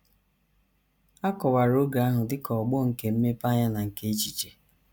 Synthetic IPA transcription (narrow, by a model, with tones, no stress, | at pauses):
a˦kɔ˨wa˨ɾo˦ɡa˨a˦ɦʊ˨dɪ˦kɔ˨ɡ͡bɔ˦˨ŋ̩˨ke˨m̩˦me˦pa˦ɲa˦na˨ŋ̩˨ke˦e˦t͡ʃi˨t͡ʃe˨